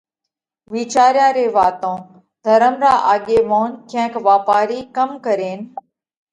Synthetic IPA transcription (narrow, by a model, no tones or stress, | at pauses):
ʋiːt͡ʃaːɾjãːɾeːʋaːt̪õː | d̪ʱəɾəmɾaːʔaːɠeːmoːnkʰɛ̃ːkʋaːpaːɾiːkəmkəɾeːn